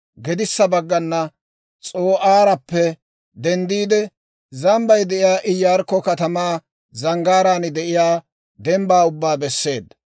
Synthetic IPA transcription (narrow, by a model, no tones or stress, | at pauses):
ɡɛd̪ɪsːɐbɐɡːɐnːɐ | t͡sʼoːʔaːɾɐpːɛ | d̪ɛnd̪iːd̪ɛ | zɐmbɐjd̪ɛʔɪjaːʔɪjːaːɾkːɔkɐt̪ɐmaː | zɐŋɡaːɾaːnɪd̪ɛʔɪjaː | d̪ɛmbaːʊbːaːbɛsːe̞ːd̪ɐ